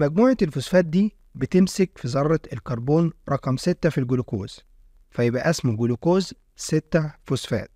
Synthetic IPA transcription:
mæɡ̚muːʕetelfʊsfæːt̪̚d̪iː | bɪt̪ɪmsɪkfizˤɑɾˤːɑelkɑɾˤboːnɾˤɑqɑmsɪt̪ːæfilɡulokoːz̥ | fæjɪbʔæʔæsmuɡulukoːz | sɪt̪ːæfʊsfæ̰ːt̪̚

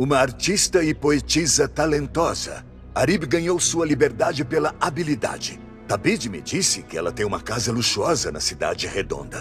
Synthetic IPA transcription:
ũmɐaɾt͡ʃist̪ɐɪpoet͡ʃizɐt̪alẽnt̪ɔzɐ̰ | aɾibɡɐ̃ɲowsuɐlibeɾd̪ad͡ʒɪpelɐʔabilid̪a̰d͡ʒɪ | t̪abid͡ʒmɪ̰d͡ʒisɪkɪɛlɐt̪ẽj̃ũmɐkazɐluʃuɔzɐnɐsid̪a̰d͡ʒɪhed̪õ̰nd̪ɐ

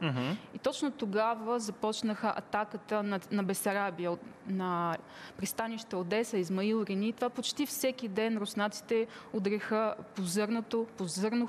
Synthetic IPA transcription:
ɦ̩it̪ɔt͡ʃnot̪oɡavəzɐpɔt͡ʃnəxəʔɐ̰t̪akət̪ənɐnɐbɛsɐɾabiənɐ | pɾist̪aniʃt̪əod̪ɛsəizmɐilˠɾinit̪ovapot͡ʃt̪ifsɛk̟id̪ɛnɾosnat̪si̥t̪ɛod̪ɾɛxəpozɤɾnot̪opozɤɾno

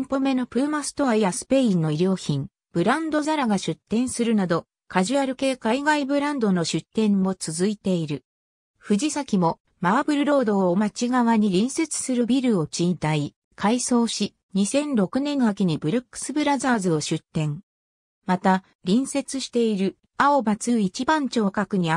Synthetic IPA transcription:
mpo̞me̞no̞pɯ̟ɾɯ̟masɨ̥t̪o̞aijasɨ̥pe̞ĩnːo̞iɾʲo̞ːçĩŋ | b̥ɯ̟ɾãnd̪o̞zaɾaɡaɕɨt̪ːẽ̞ɰ̃sɨɾɯ̟nad̪o̞ | kaʑɨaɾɯ̟ke̞ːkaiɡaibɯ̟ɾãnd̪o̞no̞ɕɨt̪ːẽ̞mmo̞t͡sɨzɨit̪e̞iɾɯ̟ | ɸɯ̟ʑisakʲimo̞ | maːbɯ̟ɾɯ̟ɾo̞ːd̪o̞ːmat͡ɕiɡaβaɲ̟iɾʲĩɰ̃se̞t͡sɨ̥sɨɾɯ̟bʲiɾɯ̟o̞t͡ɕint̪ai | kʰaiso̞ːɕi | ɲ̟isẽ̞nɾo̞kɯ̟nẽ̞nːhakʲiɲ̟ibɯ̟ɾakːɯ̥sɨbɯ̟ɾazaːzɨo̞ɕɨt̪ːẽ̞ŋ | mat̪a | ɾʲĩɰ̃se̞t͡sɨɕi̥t̪e̞iɾɯ̟ | aobat͡sɨːit͡ɕibãɲ̟t͡ɕo̞ːkakɯ̟ɲ̟ia

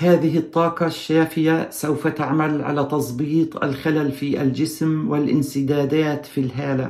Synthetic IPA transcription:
haːðɪɪt̪ˤːɑːqɑʃːaːfɪjasawfat̪aʕmalʕa̰laːt̪ɑsˤbiːt̪ˤa̰lxalalfiːʔald͡ʒɪsmwɪlʔɪnsɪd̪aːd̪aːt̪filɦaːla

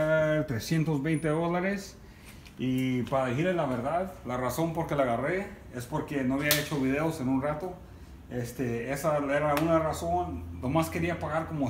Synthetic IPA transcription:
at̪ɾesjent̪o̞zβejnt̪e̞ðolaɾes | ipaɾaðixiɾelaβeɾðaðlaraso̞mpo̞ɾke̞laɣare | e̞spoɾke̞noaβiae̞t͡ʃo̞βið̞e̞ose̞nunrat̪o̞ | est̪eesaeɾaunaraso̞nnomaske̞ɾiapaɣaɾko̞mo

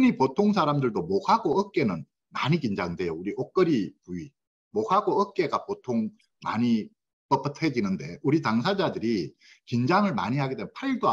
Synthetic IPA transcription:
ɯnipotʰoŋs̬ʰaɾamdɯɭdomokhaɡoʌk̚k͈e̞nɯn | maɲikind͡ʑaŋdwe̞jouɾiok͈ɯɾipuɥi | mokhaɡoʌk͈e̞ɡapotʰoŋ | ma̰ɲi | p͈ʌp͈ʌtʰed͡ʑinɯnde̞uɾitaŋsʰad͡ʑadɯɾi | kind͡ʑaŋɯɭma̰ɲiɦaɡet͈emnpʰaɾiɭdoa

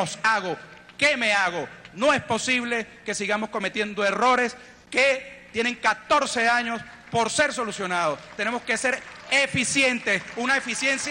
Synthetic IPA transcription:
osaɣo̞ | keme̞aɣo̞no̞e̞spo̞siβle̞ke̞siɣamo̞sko̞me̞t̪je̞nd̪o̞e̞ro̞ɾe̞s | ket̪je̞nẽ̞ŋkat̪o̞ɾse̞aɲo̞s | po̞ɾse̞ɾs̬o̞lusjo̞nað̞o̞st̪e̞ne̞mo̞ske̞se̞ɾefisje̞nt̪esunaefisje̞nsj

